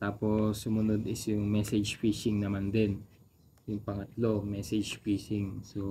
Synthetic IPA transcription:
t̪aːpo̞sːʊmʊnod̪ɪsjʊŋmɛsɛd͡ʒfiːʃɪŋnɐmand̪ɛn | jʊŋpɐŋɐt̪lo̞mɛsɛd͡ʒfiːsɪŋso

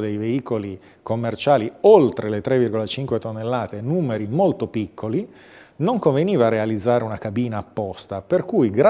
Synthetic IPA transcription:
d̪ejveiːkoli | komːert͡ʃaːliolt̪ɾelet̪ɾevirɡolat͡ʃiŋkwet̪onːelːaːt̪enuːmeɾimolt̪opikːoli | noŋkoɱveniːvarealid̪zːaːɾeunakabiːnaːpːɔst̪aperkujɡɾ

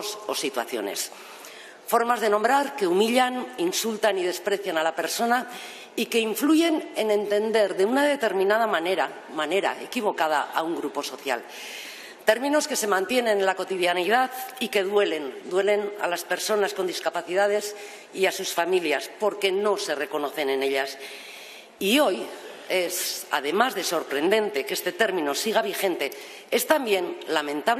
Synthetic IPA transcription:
so̞̰sit̪wa̰θjo̞̰ne̞̰s | fo̞ɾmazðe̞nombɾaɾke̞umiʎaninsult̪anið̞e̞spɾe̞θjanalape̞ɾso̞na | ike̞iɱfluʝe̞nene̞nt̪e̞nd̪e̞ɾðe̞unaðe̞t̪e̞ɾmĩnað̞amaneɾa | mane̞ɾa̰e̞̰kiβ̞o̞kað̞a̰ʔa̰uŋɡɾupo̞so̞θja̰l | t̪e̞ɾmĩno̞ske̞se̞mãnt̪je̞nẽ̞nlako̞t̪iðjanið̞aðike̞ðwe̞le̞nd̪we̞le̞na̰laspe̞ɾso̞nasko̞nd̪iskapaθiðað̞e̞s | iasusfamiljaspo̞ɾke̞no̞se̞re̞ko̞no̞θe̞ne̞ne̞ʎas | io̞j | e̞sa̰ðe̞mazðe̞so̞ɾpɾe̞nd̪e̞nt̪e̞ke̞st̪e̞t̪e̞ɾmĩno̞siɣ̞aβ̞ixe̞nt̪e̞ | e̞st̪ambje̞nlamẽ̞nt̪aβ

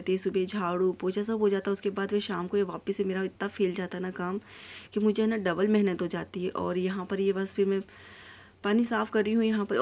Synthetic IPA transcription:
t̪iɦɛsʊbed͡ʒʱaːɽupoːt͡ʃasɐbʱɦod͡ʒaːt̪aɦɛʊskebaːd̪ʋeʃaːmkojeʋaːpəsɦɛmeːɾaɪt̪nafʰeːld͡ʒaːt̪aɦɛnakaːm | kimʊd͡ʒʱeɦɛnaɖɐbəlmɛɦnət̪ɦod͡ʒaːt̪iɦɛʔɔːɾjɐɦãpɐɾjebɐsfʰɪɾmɛ̃ | paːnisaːfkɐɾːiɦũjɐɦãpɐɾ

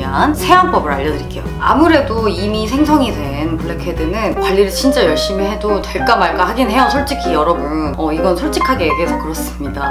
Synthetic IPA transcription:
ansʰe̞anp͈ʌbɯɾa̰ʎːʌdɯɾik͈e̞jo̰a̰muɾe̞doimisʰe̞ŋsʰʌŋidwe̞nkoɭːekʰedwenɯnkwaʎːiɾɯɭt͡ɕint͡ɕ͈ajʌɭɕ͈imihe̞doteɭk͈amaɭk͈ahaɡinɦe̞ʌsʰoɭt͡ɕ͈ikʰijʌɾʌbunʌiɡʌnsʰoɭt͡ɕ͈ikʰaɡe̞ɡesʰokɯɾʌs͈ɯmɲida

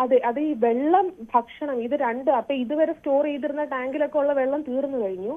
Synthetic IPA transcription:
ɐðɨʔɐðɨiːʋe̞ɭːɐmbʱɐkʂɐɳɐmiðɨɾeɳɖɨɐpːoːiðuʋɐɾesto̞ːrejt̪̬ːiɾunːɐʈaːŋɡilo̞kːeuɭːɐʋe̞ɭːɐmt̪iːrunːukɐɻiɲːu

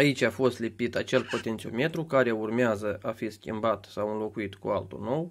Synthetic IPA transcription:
ait͡ʃʲafo̞st̪lipit̪at͡ʃe̞lpo̞t̪eniome̞t̪ɾukaɾe̞urmeazəʔafiskʲḭmbat̪sawɨnlo̞kuit̪kṵa̰lt̪ṵno̞w

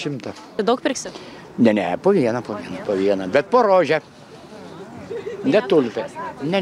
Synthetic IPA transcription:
ʃʲɪmt̪ɐ | d̪ɐʊk̚pʲɪrʲksʲɪ | nʲɛnʲɛpoːʋʲiɛnɐpoːʋʲiɛnɐpoːʋʲiɛnɐbʲɛt̪̚poːɾoːʒʲɛ | nʲɛt̪ʊlʲfʲɛnʲɛ

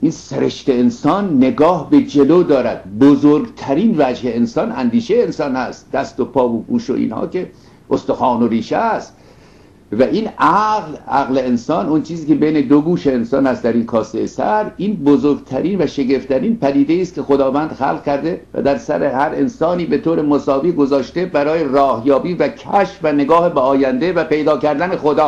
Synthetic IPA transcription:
ʔinseɾe̞ʃt̪e̞ensɒnːe̞ɡɒːhbe̞d͡ʒeloːd̪ɒːɾæd̪̥̚bozoɾɡt̪ʰæɾiːnvæd͡ʒheensɒːnænd̪iːʃeensɒːnhæst̪̚d̪æst̪opʰɒːvoɡuːʃo̰ʔḭːnhɒ̰ːke̞ | ʔost̪oxɒːnoɾiːʃest̪ | væʔiːnʔæɣlʔæ̰ɣleensɒːnont͡ʃʰiːziːkebejne̞d̪oɡuːʃeːnsɒːnhæst̪d̪æɾinkʰɒːseesæ̰ɾiːnbozoɾɡt̪ʰæɾiːnvæʃe̞ɡe̞ft̪ʰæɾiːnpæd̪iːd̪e̞iːst̪̚kʰʲe̞xod̪ɒːvænd̪̥xæ̰lʁcæɾd̪e̞væ̰d̪æɾsæ̰ɾehæɾensɒːniːbe̞t̪ʰoːɾe̞mosɒːviːɡozɒːʃt̪e̞bæɾɒːjerɒːhjɒːbiːvækʰæʃfvæneɡɒːhebeɒːjænd̪e̞væpe̞jd̪ɒːkæɾd̪æne̞xod̪ɒː

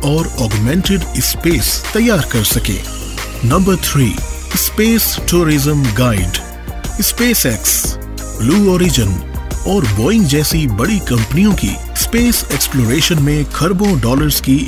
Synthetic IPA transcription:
ɔːɾɔːɡmɛ̃ɳʈɪɖɪspeːst̪ɐjːaːɾkɐɾsɐkḛ̃ː | nɐ̃mbəɾt̪ʰɾiː | ɪspeːsʈuːɾɪzə̃mɡaːɪɖ | ɪspeːsɛːks | bluːɔːɾɪd͡ʒənɔːɾbɔːɪ̃ŋɡd͡ʒɛːsibɐɽikɐ̃mpənijõkḭ | speːseːksploːɾeːʃənmẽkʰɐɾbõɖɔːləɾz̥ki

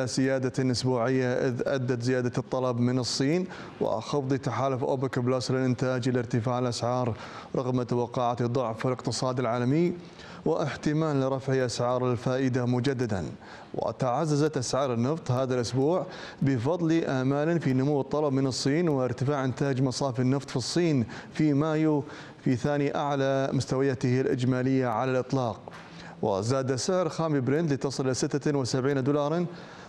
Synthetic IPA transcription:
asɪjaːd̪alʔʊsbuːʕɪjːaʔɪðʔa̰d̪ːat̪zɪjaːd̪at̪ˤːɑlɑbmɪnɨsˤːiːn | wɪ̰xɑfðˤit̪aħaːlʊfʔo̰ːbɪkblaːslɪlʔɪnt̪aːd͡ʒlɪɾt̪ɪfaːʕɪlʔasʕɑːɾˤ | ɾˤɑɣmawɑqɑːʕat̪ðˤːʊʕfɪlɪqt̪ɨsˤɑːd̪ɪlʕaːlamɪj | wɪʔɪħt̪ɪmaːlːɪɾˤɑfʕiʔasʕɑːɾˤɪlfaːʔɪd̪amʊd͡ʒad̪ːad̪a̰n | wɪ̰t̪aʕazːazat̪ʔasʕɑːɾˤɪnːɑft̪ˤhaːðalʔʊsbuːʕ | bɪfɑðˤliʔamaːlafinʊmuwːɨt̪ˤːɑlɑbmɪnɨsˤːiːnwɪʔɪɾt̪ɪfaːʕʔɪnt̪aːd͡ʒmɑsˤɑːfɪnːɨft̪ˤfisˤːiːnfimaːju | fiθaːniʔaʕlamʊst̪awajat̪ɪhɪlʔɪ̰d͡ʒmaːlɪjːaʕalalʔɨt̪ˤlɑːq̚ | wɪ̰zaːd̪asɪʕɾxaːmibɾɪnt̪lit̪ɑsˤɨlʔasɪt̪ːawɪsabʕiːnd̪ʊːlɑːɾˤɑn

